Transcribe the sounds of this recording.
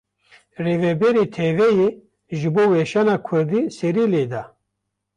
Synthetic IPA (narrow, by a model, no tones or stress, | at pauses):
reːvɛbɛɾiːt̪ʰevɛjeː | ʒɨboːwɛʃaːnaːkʰʊɾd̪iːsɛɾiːleːd̪a